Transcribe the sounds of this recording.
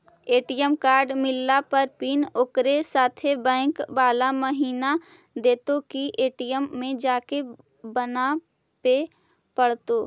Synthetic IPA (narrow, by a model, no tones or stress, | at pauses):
eːʈijəmkaːɾɖmɪlːapəɾpiːnʊkɾesaːt̪ʰebɛ̃ːŋkbaːlaməɦiːna | d̪eːt̪okiʔeːʈijəmːẽd͡ʒaːke | bɐna | pe | pɐɽ̤t̪oː